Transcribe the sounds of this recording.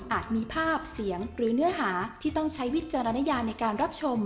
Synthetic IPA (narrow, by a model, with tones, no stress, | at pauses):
ʔaː˨˩t̪̚miː˧pʰaː˥˩p̚si˩˦əŋɾɯː˩˦nɯ˦˥ɐɦaː˩˦t̪ʰiː˥˩t̪ɔ˥˩ŋt͡ɕʰa˦˥jwi˦˥t̪̚t͡ɕa˧ɾa˧na˦˥jaː˧mnːa˧jkaː˧nɾa˦˥p̚t͡ɕʰo˧m